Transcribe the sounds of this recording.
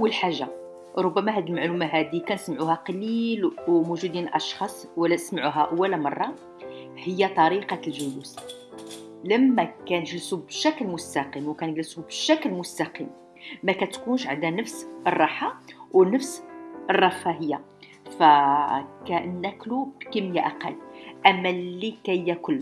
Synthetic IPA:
ʔəwːəlħaʒːa | ɾˤobːæmæɦæd̪ilmaʕlumæɦæd̪ikænsmʕuhæqɑlilwmuʒud̪inəlʔɑʃxɑsˤwəlːæsmʕuɦæʔəwːælmɑ̰rˤːɑ | həjːæt̪ˤɑɾiqɑlʒəlus | ləmːækænəʒlsubʃækəlmʊst̪ɑqimwkænəɡlsubəʃæklmʊst̪ɑqḭm | mækæt̪kunʃʕad̪ænəfsərˤːɑħawnəfsʔərˤːɑfæɦəjːa | fækænːæklubkəmjæʔæqɑ̰lːʔæmːælːikæjːækʊlː

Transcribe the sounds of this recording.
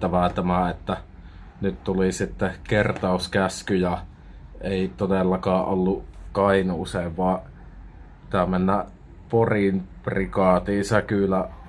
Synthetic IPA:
t̪æʋæt̪æmæet̪ːæ | nyt̪t̪ulisit̪ːekert̪ɑˑuskæskyjɑ | eˑit̪odelːɑkɑːʔʔolːukɑinuːseːʋʋɑ | pit̪æmenːæ | porimprikɑːt̪iːsɑkylːˑæ

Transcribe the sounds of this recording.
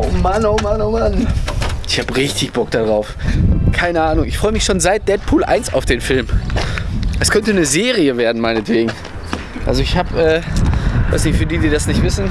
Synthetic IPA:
ʔomanoːmanomanʔɪçhaːbəʁɪçtɪçb̥ɔk̚d̥adʁaʊfkʰaɪnəʔaːnʊŋɪçfʁɔʏəmɪçʃoːnzaɪt̚d̥ɛt̚pʰuːlʔa̰ɪnsa̰ʊfd̥eːnfɪlm | ʔɛskʰœntənəzeːʁiəveːɐdn̩maɪnɛtv̥eːɡŋ̩ | ʔa̰lzoɪçhaːpʔɛː | va̰ɪsnɪçtfyːɐdiːdiːdasnɪçtv̥ɪsn̩

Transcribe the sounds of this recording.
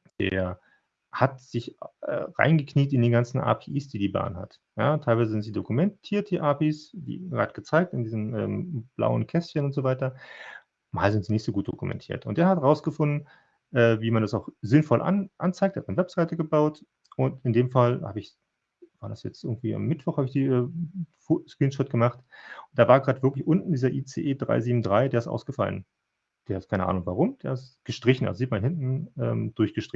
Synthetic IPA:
d̥ḛːɐ | hatz̥ɪçʔɛ̰ːʁa̰ɪnɡəkʰniːtɪndeːnɡant͡sn̩ʔa̰ːpʰeːʔiːsd̥iːdiːba̰ːnɦa̰t | jaːtʰaɪlvaɪzəzɪntz̥iːdokumɛntʰiːɐt̚d̥iːʔaːpiːsd̥ḭːʁa̰ːtɡ̥ət͡saɪk̚tɪndiːzn̩ʔɛ̰ːmb̥la̰ʊənkʰɛsçənʊntz̥oːvaɪtɐ | maːlzɪntz̥iːnɪçtz̥oːɡuːt̚d̥okumɛ̰ntʰiːɐtʊnt̚d̥eːɐhatʁaʊsɡ̥əfʊndn̩ | ʔɛːviːmandasaʊxz̥ɪnfɔlʔa̰nʔa̰nt͡saɪk̚thatmanəvɛpz̥aɪtəɡəbaʊt | ʔʊntɪndeːmfalhaːbəɪç | v̥aːɐdasjɛt͡stɪɐɡŋ̩tv̥iːa̰mːɪtv̥ɔχhaːbɪçd̥iːɛːfoskʁ̥iːnʃɔt̚ɡ̥əmaχtʊnd̥aːvaːɐɡʁaːdvɪɐklɪçʔʊntn̩diːzɐʔiːt͡sḛːʔeːdʁa̰ɪziːbm̩dʁaɪdeːɐɪstʔa̰ʊsɡ̥əfa̰lə̰n | d̥eːɐhat̚kʰaɪnəʔa̰ːnʊŋvaʁ̞ʊmd̥eːɐɪstɡ̥əʃtʁ̥ɪçn̩ʔa̰lzoziːt̚manhɪntn̩ʔɛ̰ːmd̥ʊɐçɡ̥əʃtʁ̥ɪçn

